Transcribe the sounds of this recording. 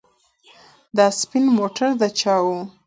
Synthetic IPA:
d̪ɑspɪnmoʈaɾd̪ət͡ʃɑwu

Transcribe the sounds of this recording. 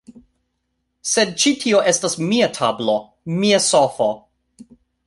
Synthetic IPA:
sed̚t͡ʃitʰioʔe̞stasmiatʰablo | miasofo

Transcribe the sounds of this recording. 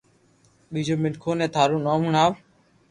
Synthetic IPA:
ɓiːd͡ʒoːmɪnkʰoːnɛ̃ːt̪ʰaːɾũːnoːmuːɳaːʋ

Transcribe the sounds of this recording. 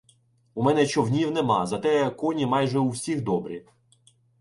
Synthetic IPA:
umɛnɛt͡ʃɔwnʲiwnɛmɑ̰zɐt̪ɛkɔnʲimɑjʒɛuwsʲixd̪ɔbɾʲi

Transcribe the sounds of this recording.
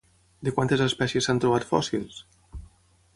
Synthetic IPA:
d̪ekwant̪ezespɛsjesːant̪ɾuβ̞at̪fɔ̰silˠs

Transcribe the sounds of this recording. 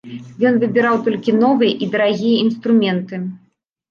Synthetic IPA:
jɔnvɨbʲiɾawt̪ɔlʲkʲinɔvɨjɐʔid̪ɐɾaɣʲijɐinst̪ɾumʲɛnt̪ɨ

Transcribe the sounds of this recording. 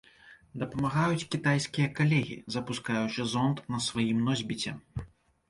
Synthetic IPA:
d̪ɐpɐmaɣajut͡sʲkʲit̪ajskʲijɐkalʲɛɣʲḭzɐpuskajut͡ʂɨzɔnt̪nɐsvajimnɔzʲbʲit͡sʲɛ

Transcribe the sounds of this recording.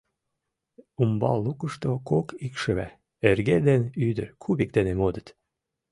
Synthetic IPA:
umbɑ̰lːukəʃt̪okokikʃə̆βæ̰ | erɣed̪enyd̪əɾkʰuβik̚d̪enemod̪ət̪

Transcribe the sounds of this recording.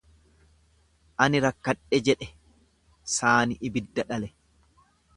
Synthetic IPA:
ʔɐnɪɾɐkːɐᶑɛd͡ʒɛᶑɛ | saːnɪʔɪbɪd̪ːɐᶑɐlɛ

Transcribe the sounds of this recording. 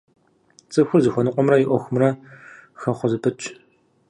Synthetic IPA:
t͡sʼɨxʷʊrzɨxʷɔnɨqʷʼɔmrɐjɪʔʷɔxʷʊmrɐxɐχʷʊzɨpʰɨt͡ʃʼ

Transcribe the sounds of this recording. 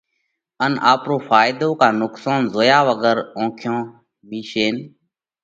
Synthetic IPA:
ənaːpɾoːfʰaːjd̪oːkaːnʊksaːnzoːjaːʋəɡəɾõːkʰjõː | miːʃeːn

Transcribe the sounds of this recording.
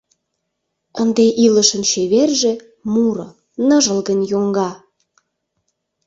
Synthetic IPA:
ənd̪eʔiləʃə̆nt͡ɕeβerʒĕ | muɾɤ̆ | nəʒə̆lɣənʲjoŋɡɑ

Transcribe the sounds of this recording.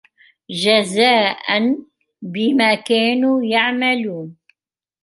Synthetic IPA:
d͡ʒazaːʔan | bɪmaːkaːnuːjaʕmaluːn

